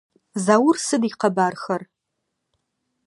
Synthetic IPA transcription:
zawʊrsɨdiqʰɐbaːrxɐr

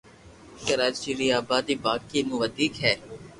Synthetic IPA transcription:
kəɾaːt͡ʃiɾiaːbaːd̪ibaːkːimʊʋəd̪iːkɦɛː

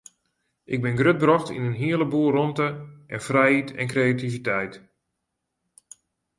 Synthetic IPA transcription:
ʔɪɡ̚bɪnɡrøt̚brɔxtḭnənɦiələbuːərɔntəʔɛnfrɛjitɛ̰nkrejativitɛjt

